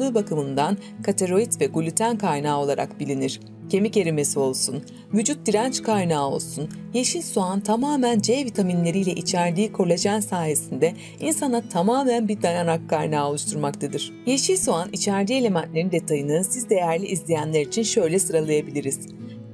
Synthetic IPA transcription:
uːbakɯmɯnd̪an | kʰat̪ʰe̞ɾo̞it̪vɛɡulʲyt̪ʰænkʰajnaːo̞lˠaɾʔa̰kbilʲiniɾ̥ | cʰe̞mice̞ɾime̞sio̞lˠsun | vyd͡ʒut̪̚d̪iɾænt͡ʃkʰajnaːo̞̰lˠsunjeʃilʲsuant̪ʰamaːmænd͡ʒevit̪ʰaminlʲe̞ɾijlʲɛʔit͡ʃʰæɾd̪iːkʰo̞ɾlʲˠad͡ʒænsaːje̞sind̪ɛ | insanat̪ʰamaːmænbid̪ajanakʰːajnaːo̞lˠuʃt̪ʰuɾmakt̪ʰad̪ɯɾ̥ | je̞ʃilʲsuanit͡ʃʰæɾd̪iːe̞lʲe̞mænt̪lʲe̞ɾind̪ɛt̪ʰajɯnɯsizd̪e̞jæɾlʲiʔizlʲejænlʲæɾit͡ʃʰinʃø̞jlʲɛsɯɾalˠajabilʲiɾiz̥

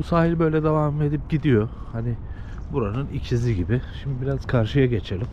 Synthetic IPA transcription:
busaːhilʲbø̞jlʲɛd̪evame̞d̪ip̚ɟid̪ijo̞ | hanɪ | buɾanɯnicʰiziɟibɪʃimd̪ibiɾaz̥kʰaɾʃɯjaɟe̞t͡ʃʰe̞lʲim

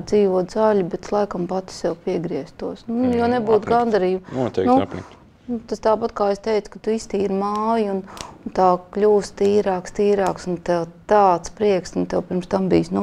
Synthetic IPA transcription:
d̪ziːʋuɔd̪zalʲibɛt̪slˠajkɐmpat̪ɪ̥sjɛwpiɛɡɾiɛst̪uɔsnujonebuːt̪ɡand̪ɐɾiːbnutt̪ɛknṵ | t̪ast̪aːpat̪kaːest̪ɛɪt̪sʊ̥kat̪uist̪iːiɾmaːjunnt̪aːklʲuːst̪iːɾaːkst̪iːɾaːksunt̪ɛt̪aːt̪spɾiɛksunt̪ɛwpʲiɾmst̪ambḭːsnu

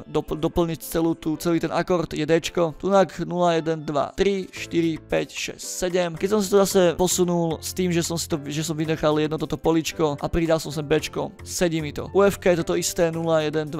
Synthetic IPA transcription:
d̪ɔd̪ɔpl̩ɲict͡sɛluːt̪ut͡sɛliːt̪ɛnakɔɾt̪jɛd̪ɛt͡ʃkɔt̪unaknulajɛd̪ɛnd̪ʋa̰t̪ɾiʃt̪iɾipɛcʃɛ̰scsɛɟɛmkɛcs̬ɔms̬it̪ɔzasɛpɔsunulst̪iːmʒɛsɔmsi̥t̪ɔʒɛs̬ɔmʋinɛxaljɛd̪nɔt̪ɔt̪ɔpɔlit͡ʃkɔʔapɾid̪alsɔms̬ɛbɛt͡ʃkɔm | sɛɟiːmit̪ɔ̰ʔuɛfkajɛt̪ɔt̪ɔist̪ɛːnulajɛd̪ɛnd̪ʋ

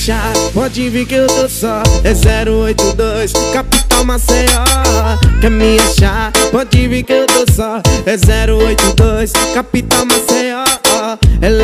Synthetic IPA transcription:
ʃapɔd͡ʒivikewt̪osɔɛzɛɾʊojt̪ʊd̪ojskapit̪ɐ̃w̃maseɔ | kɐmĩaʃapɔd͡ʒivikewt̪osɔɛzɛɾʊojt̪ʊd̪ojskapit̪ɐ̃w̃maseɔɔɛ

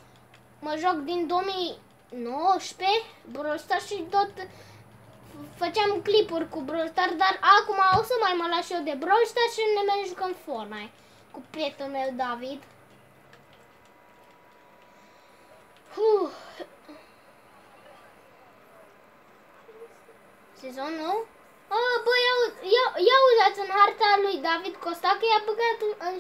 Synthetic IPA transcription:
məʒakd̪ind̪oomi | noʃpebɾolst̪aʃit̪ot̪ | fət͡ʃeamklipurʲkubɾost̪ard̪arakumaosəmajmalaʃijewd̪ebɾolst̪aʃinemenʒukəmfornaj | kupet̪umewd̪avid̪ | hu | sezonːow | əbəjajejauzat̪sʲɨnɦart̪alujd̪avid̪kost̪akəjabəɡat̪ɨn

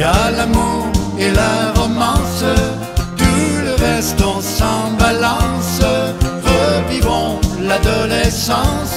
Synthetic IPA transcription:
alamuʁ | elaʁɔmɑ̃sə | d̪uləvɛʁst̪ɔ̃sɑ̃balɑ̃səʁəpibɔ̃lad̪ɔlɛsɑ̃s

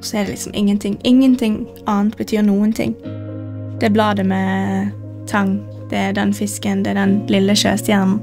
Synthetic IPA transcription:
sɔɛd̪ɛ̰lɪ̰ksɔmʔɪ̰ŋːənt̪ʰɪŋːɪŋːənt̪ʰɪŋ | ɑːnt̪bət̪ʰyːɾnuːənt̪ʰɪ̰ŋː | d̪̥ɛblɑːd̪əmɛ | t̪ʰɑŋ | d̪̥ɛæd̪ɛnfɪskənd̪ɛɛd̪ɛnlɪlːəʃø̰ːst̪jæʁnn̩

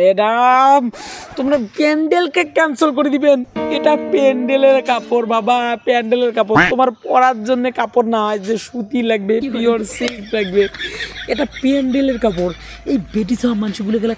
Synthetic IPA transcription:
eɖamt̪omɾapeɳɖelkekɛnsolk̬oɾed̪ibeneʈapeɳɖeleɾkapoɾbabapɛɳɖeleɾkap̬ot̪omaɾpɔɾaɾd͡ʑonːekapoɾnaajd͡ʑeʃut̪ilaɡbepioɾseklaɡ̚beeʈapeɳɖeleɾkap̬oɾ | ejbeʈ̬it͡ɕʰaamanʃoɡulekɛle

